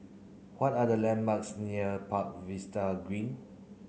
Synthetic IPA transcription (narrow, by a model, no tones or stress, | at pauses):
wɔtadəlɛ̃nbaksniəpak̚vistaɡɹĩn